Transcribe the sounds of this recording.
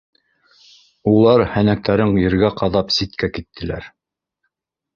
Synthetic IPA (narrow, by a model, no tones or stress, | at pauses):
ulˠɑɾhænæk̚t̪æɾɘŋjɘ̆ɾɡæqɑðɑpsit̪̚kækit̪ʰːɘ̆læ̰ɾ